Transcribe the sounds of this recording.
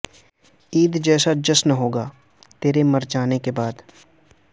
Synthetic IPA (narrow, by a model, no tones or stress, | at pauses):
iːd̪d͡ʒɛːsad͡ʒɐsnɦoːɡaː | t̪eːɾemɐɾd͡ʒaːnekebaːd̪